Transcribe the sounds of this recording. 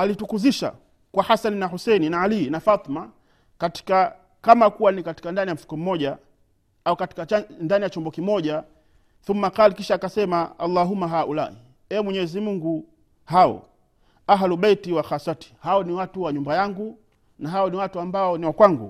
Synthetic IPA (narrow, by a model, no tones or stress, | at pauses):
alitukuziʃa̰ | kwahasaninahusɛninaalinafat̪ˤima | kati̥ka | kamakuwanikati̥kandanijam̩fu̥kɔm̩mɔʄa | aukati̥kandanijat͡ʃɔmbɔkimɔʄa | θumːaqalikiʃaːkasɛmaalːaɦumːaɦaʔula̰i | ɛmwɛɲɛzimuŋɡu | haɔ̰ | aɦluɓɛitiwaxasati̥haɔniwatuwaɲumbajaŋɡu | naɦaɔniwatuambaɔniwakwaŋɡṵ